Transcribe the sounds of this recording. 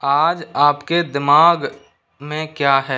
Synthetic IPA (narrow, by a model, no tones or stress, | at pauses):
aːd͡ʒaːpked̪ɪmaːɡ | mẽkjaːɦɛː